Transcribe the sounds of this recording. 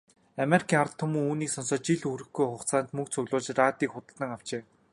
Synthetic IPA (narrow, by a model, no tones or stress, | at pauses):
ameɾikʲʰiːŋart̪ʰːʊmŭŋuːniːksɔnsɔːt͡ɕiɮɵxɾɘ̆xɡujχʊχt͡saːnt̪mɵkt͡sʰɵɣɮʊːt͡ɕraːt̪iːkχʊt̪ə̆ɮə̆ŋaw̥t͡ɕeː